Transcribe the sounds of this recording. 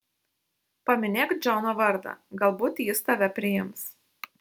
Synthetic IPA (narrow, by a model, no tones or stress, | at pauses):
pɐmʲɪnʲeːk̪d͡ʒʲɛʊnoʋɐɾd̪ɐ̰ɡɐlˠbuːt̪jɪst̪ɐʋʲɛpʲɾʲɪjɪms